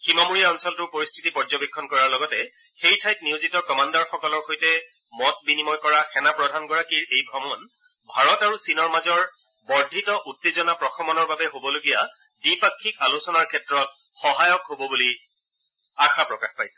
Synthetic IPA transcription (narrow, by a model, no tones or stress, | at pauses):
ximamuɹijaɔnsɔltʊpoɹistʰi̥tipɔɹzɔbikʰːɔnkɔɹaɹlɔɡɔtɛ | xejtʰajt̚nijozitɔkɔmandaɹxɔkɔlɔɹxojtɛ | mɔt̚binimɔjkɔɹaxɛnapɹɔdʱanɡɔɹakiɹejbʱɹɔmɔn | bʱaɹɔtaɹusinɔɹmazɔɹ | bɔɹdʱitɔʔutːezɔnapɹɔxʰɔmɔnɔɹbabɛɦobɔloɡija | dipakʰːikalusɔnaɹkʰɛtɹɔt̚ | xɔɦajɔkɦobɔbuli | axapɹɔkaxpajsɛ̥